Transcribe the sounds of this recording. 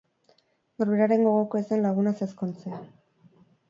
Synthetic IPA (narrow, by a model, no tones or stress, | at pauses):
noɾβeɾaɾe̞ŋɡo̞ɣoko̞esenlaɣ̞unase̞skont͡sea